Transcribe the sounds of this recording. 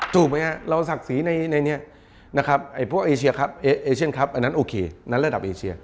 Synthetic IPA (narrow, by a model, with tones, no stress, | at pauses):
suː˨˩ma˦˥ha˦˩ɾa˧wsa˨˩k̚siː˨˩˦na˧jna˧jni˦˥ɐʔ | na˦˥kʰa˦˥p̚ha˨˩jpʰu˥˩əkʔeː˧t͡ɕʰi˧ɐ˧kʰa˦˥p̚ʔːʔeː˧t͡ɕʰi˥˩ə˨nkʰa˦˥p̚ʔa˧nːa˦˥nʔoː˧kʰeː˧na˦˥nɾa˧da˨˩p̚ʔeː˧t͡ɕʰi˧ɐ